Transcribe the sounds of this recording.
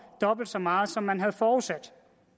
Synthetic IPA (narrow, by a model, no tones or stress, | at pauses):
d̥ɒ̽b̥l̩d̥sɒmɑ̈ːð̞̩ˠsɒ̽mːænɦæðˠfɒːuðˠsæd̥